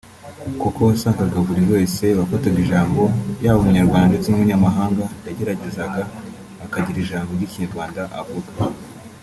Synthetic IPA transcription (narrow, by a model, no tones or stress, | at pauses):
kukoβasaːŋkaɡaβuɾiβe̞ːse̞βakotaɡiʒaːmbo̞jaːβoɲaɾɡwaːndatimuɲamaɦaːŋɡajaɟe̞ɾaɟe̞zaɡaː | kaɟiɾiʒaːmboiciɲaɾɡwaːndaʔa̰vuɡa